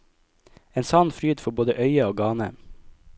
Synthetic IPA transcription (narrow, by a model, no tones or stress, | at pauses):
eːnsɑːnfɾyːd̪fɔboːd̪əʔœʏəoːɡɑːnə